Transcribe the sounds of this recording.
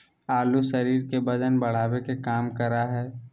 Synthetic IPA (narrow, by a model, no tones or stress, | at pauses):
aːluʃɐɾiːɾkebɐd̪ənbɐɽ̤aːwekekaːmkɐɾaɦɛː